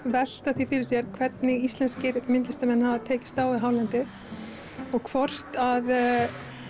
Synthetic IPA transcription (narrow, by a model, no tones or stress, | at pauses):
vɛl̥t̪aθifɪɾɪɾ̥s̬jɛɾ̥kʰvɛt̪nɪɣist̪lɛnscɪɾmɪnt̪lɪst̪amɛnhavat̪ʰeːjcɪ̥st̪aːwiɦaːwlant̪ɪ | ɔɣkʰvɔr̥t̪að